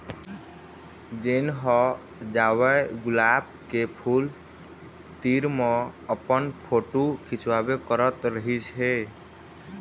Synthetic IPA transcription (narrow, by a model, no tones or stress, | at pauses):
d͡ʒenɦɔ | d͡ʒawəɡʊlab̚ | kepʰul | t̪iɾmɔəpənpʰoʈukʰit͡ʃwabekəɾət̪ɾəɦisɦe